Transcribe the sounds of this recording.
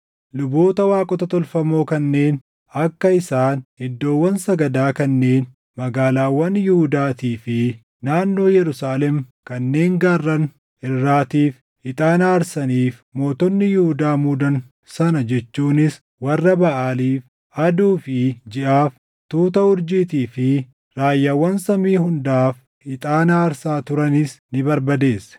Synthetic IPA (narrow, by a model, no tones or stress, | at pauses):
lʊbo̞ːt̪ɐwaːkʼɔt̪ɐt̪ɔlfɐmo̞ːkɐnːe̞ːn | ɐkːɐɪsaːnhɪd̪ːo̞ːwːɐnsɐɡɐd̪aːkɐnːe̞ːn | mɐɡaːlaːwːɐnjʊhʊd̪aːt̪iːfɪ | naːnːo̞ːjɛɾʊsaːlɛmkɐnːe̞ːŋɡaːrːɐn | ɪrːaːt̪iːf | ɪt̪ʼaːnaːɾsɐniːfmo̞ːt̪ɔnːɪjʊhʊd̪aːmʊd̪ɐn | sɐnɐd͡ʒɛt͡ʃːuːnɪs | wɐrːɐbɐʔaːliːf | ʔɐd̪uːfɪd͡ʒɪʔaːf | t̪uːt̪̬ɐhʊɾd͡ʒiːt̪iːfɪ | ɾaːjːɐwːɐnsɐmiːɦʊnd̪aːf | hɪt̪ʼaːnaːɾsaːt̪ʊɾɐnɪsnɪbɐɾbɐd̪e̞ːsːɛ̥